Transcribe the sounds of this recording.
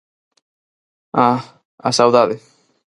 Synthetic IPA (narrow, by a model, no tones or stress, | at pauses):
a | a̰sawðaðɪ